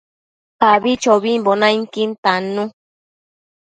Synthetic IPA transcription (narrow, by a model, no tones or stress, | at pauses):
paβit͡ʃoβimbonãiŋkint̪anũ